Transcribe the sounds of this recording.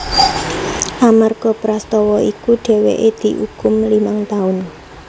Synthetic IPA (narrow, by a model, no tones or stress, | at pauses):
ʔamarɡ̥ɔ̤pɾast̪ɔwɔikuɖ̥ɛ̤wḛʔed̪̥i̤ʔukʊmlimaŋt̪aʊn